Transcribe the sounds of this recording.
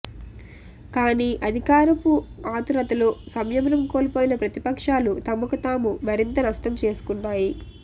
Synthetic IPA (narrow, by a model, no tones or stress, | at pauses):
kaːniːʔɐd̪ʱikaːɾɐpuaːt̪uɾɐt̪ɐloːsɐmjɐmɐnɐmkoːlpoːjinɐpɾɐt̪ipɐkʂaːlut̪ɐmukɐt̪aːmumɐɾint̪ɐnɐʂʈɐmt͡ʃe̞ːsu̥kuɳːaːji